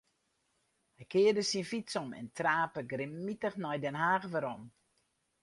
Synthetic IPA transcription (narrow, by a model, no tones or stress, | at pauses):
hɛjkɪːədəsinfisɔmɛ̰ntraːpəɡrɪmːitəxnɔjdɛnɦaːɣʋəɾɔm